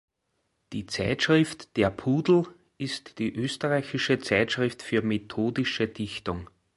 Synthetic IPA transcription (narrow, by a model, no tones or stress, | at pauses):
d̥iːt͡sæɪtʃʁ̥ɪftd̥eːɐpʰuːdl̩ | ɪstd̥iːʔøːstəʁaɪçɪʃət͡sæɪtʃʁɪftfyːɐmetʰoːdɪʃəd̥ɪçtʊŋ